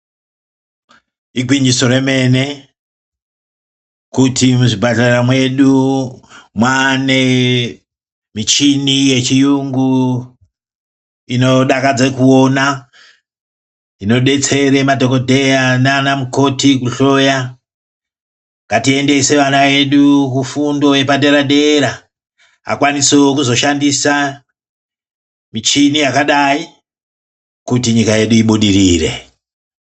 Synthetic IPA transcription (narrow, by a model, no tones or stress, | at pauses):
iɡʱwind͡ʒiso̞ɾe̞me̞ne̞ | kutʰimuʐibʱaɬaramwe̞ɗu | mwane̞ | mit͡ʃinije̞t͡ʃijuŋɡu | ino̞ɗakad͡zekuona | ino̞ɗe̞t͡se̞ɾe̞madʱo̞ko̞dʱe̞jananamuko̞tikuɬo̞ja | ŋɡatie̞nde̞se̞ʋanaje̞ɗukufundo̞je̞pade̞ɾadʱe̞ɾa | ɦa̰kwanisokuzo̞ʃandisa | mit͡ʃinijakaɗai | kutiɲikaje̞ɗuiɓuɗiriːre̞̰